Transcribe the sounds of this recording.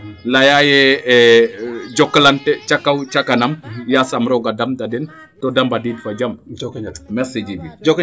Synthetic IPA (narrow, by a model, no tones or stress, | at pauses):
lajajɛ | d͡ʒɔkːəlantɛt͡ʃakːawt͡ʃakːanamjasamɾɔɡadamdadɛn | todambadidfad͡ʒam | mɛsid͡ʒibid͡ʒk